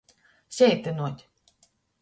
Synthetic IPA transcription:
sʲɛjt̪ɨnuɔt̪ʲ

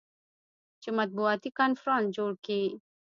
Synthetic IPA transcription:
t͡ʃəmat̪̚buat̪ikanfɾɔnd͡ʒulki

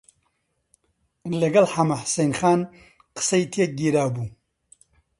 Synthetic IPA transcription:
lɐɡɐlħamaħsejnxaːn | qɨ̥sɐjit̪ʰeɡiːɾaːbuː

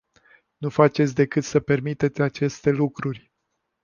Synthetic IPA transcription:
nufat͡ʃe̞t̪sʲd̪e̞kɨt̪səpe̞rmit̪e̞t̪sʲat͡ʃe̞st̪e̞lukɾurʲ

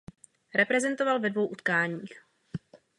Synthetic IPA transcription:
ɾɛpɾɛzɛnt̪ovalvɛdvo̞wʔut̪kaːɲiːx

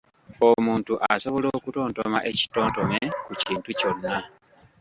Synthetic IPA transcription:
o̞muːntuʔaso̞βo̞lo̞ːkuto̞ːntomaʔe̞ci̥to̞ːnto̞mekuciːntuco̞nːa

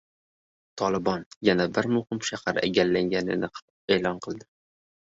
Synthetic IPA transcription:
t̪ʰɒlˠɪbɒnjanabɪɾmʊhɪmʃahaɾa̰ɡʲaɾlaŋɡʲanɪ̰nɪ | eːlˠɒnqʰɨlˠd̪ɪ

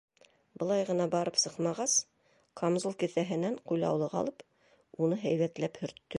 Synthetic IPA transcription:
bɤ̆lˠɑjʁɤ̆nɑbɑɾɤpsɤqmɑʁɑs | kʰomzulˠkɘ̆θæɦɘ̆næɴqujlˠɑ̰wlˠɤʁɑ̰lˠɤp | unɤɦæjβæt̪læphɵ̆ɾt̪ːɵ

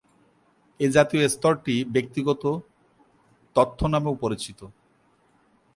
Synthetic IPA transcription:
ed͡ʑat̪ioest̪ɔɾʈibek̚t̪iɡɔt̪o | t̪ɔt̪ʰːonameupoɾit͡ɕit̪o

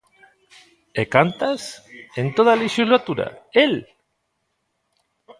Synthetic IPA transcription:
ekant̪asent̪oð̞aliʃuzlat̪uɾa̰el

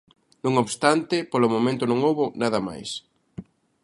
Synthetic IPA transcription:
nõŋoβst̪ant̪ɪpolʊmõmẽnt̪ʊnõŋowβʊnaðɐma̰js

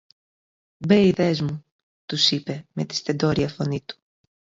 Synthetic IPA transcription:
beiðezmu | t̪usipe̞me̞t̪i̥st̪e̞d̪o̞ɾiɐfo̞nit̪u̥

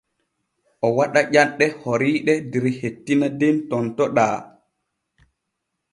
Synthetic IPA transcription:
ʔɔwaɗaʄanɗɛhoɾiːɗɛdɛɾhetːinadɛntɔntɔɗaː

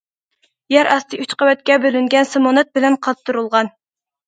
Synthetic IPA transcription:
jæɾɑst̪ɨʔyt͡ʃqɑwɛt̪̚kʲɛbølyŋɡʲɛnsɨmonɛt̪̚bɪlɛnqʰɑp̚t̪ːuɾulˠʁɑn

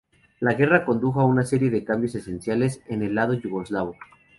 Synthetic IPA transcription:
laɣe̞rako̞nd̪uxoaunase̞ɾje̞ðe̞kambjo̞se̞se̞nsjale̞se̞ne̞lːað̞o̞ʝuɣo̞zlaβo

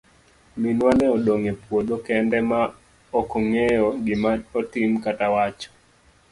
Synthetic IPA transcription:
minwanɛɔɗoŋepwodokɛndɛma | ɔkɔŋɛjɔɡɪmaɔtimkatawat͡ʃɔ̥

